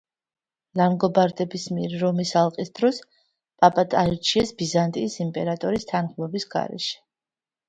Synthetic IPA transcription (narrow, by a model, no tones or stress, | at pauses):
lamɡɔbaɾd̪ɛbismiɛɾːɔmisalˠqʼisd̪̥ɾɔs | pʼapʼat̪ʼaiɾt͡ʃʰiɛsbizant̪ʼiːsimpʼɛɾat̪ʼɔɾist̪ʰanχmɔbisɡa̰ɾɛ̰ʃɛ̥